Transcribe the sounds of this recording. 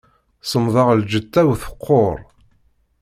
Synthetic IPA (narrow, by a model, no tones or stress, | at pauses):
səmðˤɑʁld͡ʒət̪ːæwθə̥qʰːoɾˤ